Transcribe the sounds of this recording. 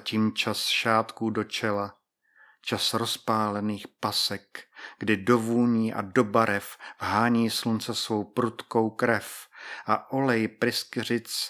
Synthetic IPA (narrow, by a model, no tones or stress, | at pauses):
cimt͡ʃasʃaːt̪kuːdo̞t͡ʃɛla | t͡ʃasɾo̞spaːlɛniːxpasɛkɡ̥dɪdo̞vuːɲiːʔa̰do̞baɾɛfvɦaːɲiːslunt͡sɛsvo̞wpɾut̪ko̞wkɾɛfʔaʔo̞lɛjpɾɪskɪr̝ɪt͡s